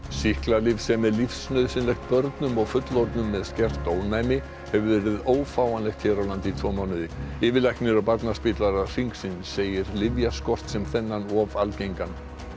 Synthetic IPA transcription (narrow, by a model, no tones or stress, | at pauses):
sihklalɪvsɛmːɛðlifsnœðsɪnlɛjxt̪̚pœɾt̪nʏmɔɣfʏt̪lɔɾt̪nʏmːɛðscɛr̥t̪oːwnaːjmɪ | hɛvʏɾvɛːɾɪðoːwfaːwanlɛxt̪ʰçɛːɾawlant̪it̪ʰvoːmaːwnɪðɪɪːvɪlajk̪nɪɾɔpaɾt̪naspɪːt̪laɾar̥iŋksɪnseːjɪɾlɪvjaskɔr̥t̪sɛmθɛnːanɔvalcejŋkan